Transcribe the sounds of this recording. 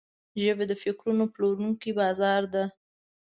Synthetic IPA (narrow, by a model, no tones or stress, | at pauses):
ʒəβed̪əfɪkɾunoploɾuŋkibɑzɑɾd̪a